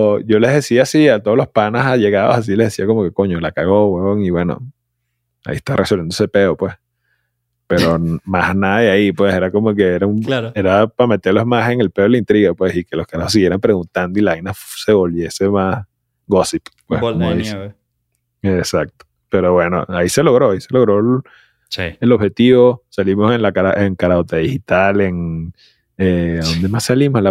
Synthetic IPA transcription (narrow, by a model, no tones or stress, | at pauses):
oɟ͡ʝo̞le̞zðesiasiat̪oolo̞spanasaʝe̞ɣaðo̰sas̬ile̞hðesiako̞mo̞ke̞ko̞ɲo̞lakaɣo̞βweβoŋiβwe̞no̰ | a̰iest̪arʔesolβjend̪osepe̞opwe̞s | pe̞ɾomasnaðaeaipwe̞se̞ɾako̞mo̞ke̞eɾaumae̞ɾapame̞t̪e̞ɾlo̞smase̞ŋe̞lpe̞olaint̪ɾiɣapwe̞sikeloskaɾahosiɣje̞ɾampɾe̞ɣunt̪and̪o̞ilaajnafse̞βo̞lβje̞se̞mas | ɡosippweskomoðis | esak̚t̪o̥ | pe̞ɾo̞βwe̞no̰aise̞lo̞ɣɾo̞aise̞lo̞ɣɾo̞ | sielo̞βhe̞t̪iβo̞salimo̞se̞nlakaɾaʔeŋkaɾaot̪aðixit̪aleŋ | eðo̞nd̪e̞massalimosla